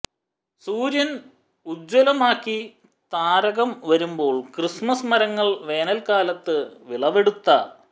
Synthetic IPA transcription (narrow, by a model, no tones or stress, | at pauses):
suːɾjɐn | ud͡ʑwɐlɐmaːkːi | t̪aːɾɐɣɐmʋɐɾumbo̞ːɭkrismɐsmɐɾɐŋːɐɭʋe̞ːnɐlkaːlɐt̪ːɨʋiɭɐʋe̞ɽut̪ːɐ